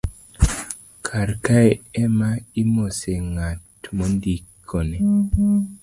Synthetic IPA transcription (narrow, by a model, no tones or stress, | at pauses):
kʰaɾkaeɛmaimoseŋatmondikʰːone